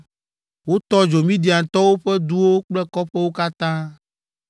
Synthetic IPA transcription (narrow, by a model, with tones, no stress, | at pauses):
wo˦t̪ɔ˦d͡ʒo˨mĩ˦d̪i˨a˨t̪ɔ˦wo˦ɸɛ˦d̪u˦wo˦k͡plɛ˦kɔ˦ɸe˦wo˦ka˦t̪ã˦